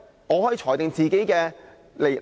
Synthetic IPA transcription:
ŋɔː˨˧ɔː˨˥jiː˨˧˥t͡ʃʰɔː˨˩jt̪ɪ˨ŋt͡siː˨ke˨˥jkɛː˧ | le˨˩

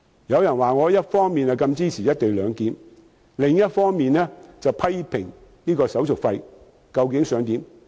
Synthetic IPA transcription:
jɐ˨˧wjɐ˨˩nwaː˨ŋɔː˨˧jɐ˥t̚fɔː˥ŋmiː˨nɐ˨kɐ˧mt͡siː˥t͡sʰiː˨˩jɐ˥t̚t̪e˨jlœː˨˧ŋt̪iː˨˥m | lɪ˨ŋjɐ˥t̚fɔː˥ŋmiː˨nɛː˥t͡sɐ˨wpʰɐ˥jpʰɪ˨˩ŋniː˥kɔː˧sɐ˨˥wt͡sʊ˨˩k̚fɐ˧j | kɐ˧wkɪ˨˥ŋsœː˨˧ŋt̪iː˨˥m

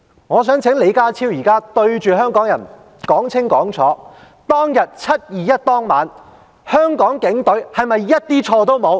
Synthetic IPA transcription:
ŋɔː˨˧sœː˨˥ŋt͡sʰɪ˨˥ŋle˨˧jkaː˥t͡sʰiː˥wjiː˨˩kaː˥t̪ɵ˧ɥt͡ʃyː˨ɦœː˥ŋkɔː˨˥ŋjɐ˨˩n | kɔː˨˥ŋt͡sʰɪ˥ŋkɔː˨˥ŋt͡sʰɔː˨˥ | t̪ɔː˥ŋjɐ˨t̚t͡sʰɐ˥t̚jiː˨jɐ˥t̚t̪ɔː˥ŋmaː˨˧n | hœː˥ŋkɔː˨˥ŋkɪ˨˥ŋt̪ɵ˨˥ɥhɐ˨jmɐ˨jjɐ˥t̚t̪iː˥t͡ʃʰɔː˧t̪o˥wmo˨˧w

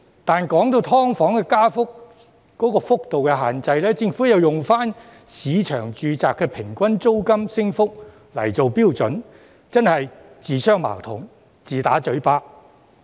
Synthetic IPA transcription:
t̪aː˨nkɔː˨˥ŋt̪o˧wt̪ʰɔː˥ŋfɔː˨˥ŋkɛː˧kaː˥fʊ˥k̚ | kɔː˨˥kɔː˧fʊ˥k̚t̪o˨wkɛː˧ɦaː˨nt͡sɐ˧jlɛː˥t͡sɪ˧ŋfuː˨˥jɐ˨wjʊ˨ŋfaː˥n | siː˨˧t͡ʃʰœː˨˩ŋt͡ʃyː˨˧t͡saː˨kːɛː˧pʰɪ˨˩ŋkʷɐ˥nt͡so˥wkɐ˥msɪ˥ŋfʊ˥k̚ | lɐ̰˨˩jt͡so˨wpiː˥wt͡sɵ˨˥n | t͡sɐ˥nhɐ˨j | t͡siː˨˩sœː˥ŋma̰ː˨˩wt̪ʰʊ̰˨˩ŋ | t͡siː˨t̪a̰ː˨˥t͡ʃɵ˨˥ɥpaː˥k̚

